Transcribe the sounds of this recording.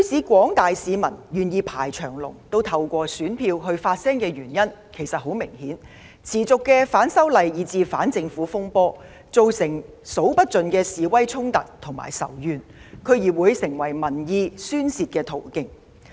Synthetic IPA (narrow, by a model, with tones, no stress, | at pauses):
jy˨˥sʰiː˨˥kʷɔː˨˥ŋt̪aː˨jsiː˨˧mɐ˨˩njyː˨˩njiː˨˧pʰaː˨˩jt͡ʃʰœː˨˩ŋlʊ˨˩ŋt̪o˥wt̪ʰɐ˧wkʷɔː˧syː˨˥npʰiː˧wɦɵ˧ɥfaː˧t̚sɛː˥ŋkɛː˧ɥyː˨˩njɐ˥nkʰe˨˩jsɐ˨t̚ho˨˥wmɪ˨˩ŋhiː˨˥n | t͡sʰiː˨˩t͡sʊ˨kːɛː˧faː˨˥nsɐ˥wlɐ˨jjiː˨˧t͡siː˧fa̰ː˨˥nt͡sɪ˧ŋfuː˨˥fʊ˥ŋpɔː˥ | t͡so˨wsɪ˨˩ŋ | so˨˥wpɐ˥t̚t͡sɵ˨nkɛː˧siː˨wɐ˥jt͡sʰʊ˥ŋt̪ɐ˨k̚t̪ʰʊ˨˩ŋma̰ː˨˩jsɐ̰˨˩wjyː˨˧nkʰɵ˨˧ɥjiː˨˩wuː˨˧jsɪ˨˩ŋwɐ˨˩jmɐ˨˩njiː˧syː˥nsiː˧t̚kɛː˧t̪ʰo˨˩wkɪ˧ŋ